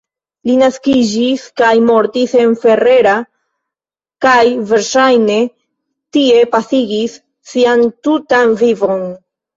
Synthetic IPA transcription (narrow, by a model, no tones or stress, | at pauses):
linaskid͡ʒiskajmo̞ɾtise̞nfe̞re̞ɾa | kajve̞ɾʃajne̞ | tie̞pasiɡisː | iantutanvivo̞n